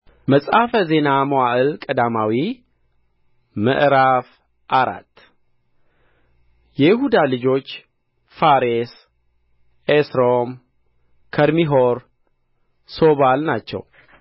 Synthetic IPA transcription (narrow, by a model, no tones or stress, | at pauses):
məsʼafəze̞namowaʔɨlkʼəd̪amawi | mə̰ʔɾaf | ʔaɾa̰t̪ː | jɛjɪhud̪alɨd͡ʒo̞t͡ʃː | faɾes | ʔesɾom | kʰəɾmiɦoɾ | so̞βalnat͡ʃːɛ̰w